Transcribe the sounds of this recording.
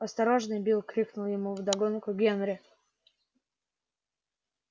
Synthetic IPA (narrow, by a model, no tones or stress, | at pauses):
ɐst̪ɐɾoʐnɨjbʲilˠkɾʲiknʊlˠjɪmuvd̪ɐɡonkʊɡʲenɾʲɪ